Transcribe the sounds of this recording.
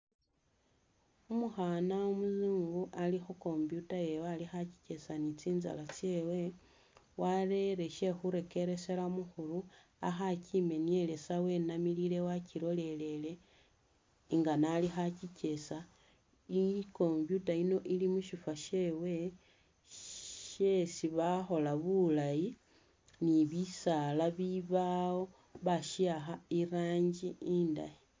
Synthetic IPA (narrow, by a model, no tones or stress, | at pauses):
umuxanaomuzuːŋɡuʔalixoko̞mbjutajewalixaci̥ce̞sanit͡siːnza̰lat͡sje̞we̞ | waɾe̞ɾe̞ʃe̞xuɾe̞ke̞ɾe̞seɾamuxuɾu | axacime̞nie̞le̞sawe̞ːnamilile̞waciɾo̞le̞le̞le̞ | ŋɡanalixacice̞sa | iko̞mpjutaino̞ʔilimuʃifaʃe̞we̞ | ʃesiβaxo̞laβulaji | niβisalaβiβao̞ | βaʃiaxaiɾaːɲɟiinda̰ji